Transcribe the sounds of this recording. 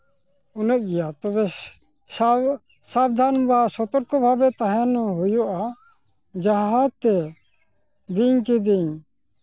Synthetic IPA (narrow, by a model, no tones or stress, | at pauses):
unəʔ̚ɡɛjat̪ɔbɛ | sabd̪ʱanbasɔt̪ɔɾkɔbʱabɛt̪aɦɛnɔɦujɔʔa | d͡ʒaɦat̪ɛ | b̪iɲkid̪iɲ